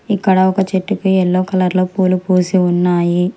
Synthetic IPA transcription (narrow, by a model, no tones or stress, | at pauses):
ikːɐɽɐɔkɐt͡ʃeʈːukuɛlːoːkɐlɐɾlo̞ːpuːlupuːsiunːaːji